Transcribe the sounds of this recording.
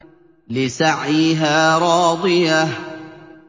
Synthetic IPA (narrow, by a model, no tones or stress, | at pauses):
lɪsaʕiːɦaːɾˤɑːd̪ˤɨjah